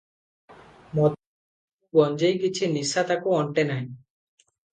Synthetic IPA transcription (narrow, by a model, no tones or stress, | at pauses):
mɔ | bɔnd͡ʑejkit͡ɕʰinisat̪akoɔɳʈenaj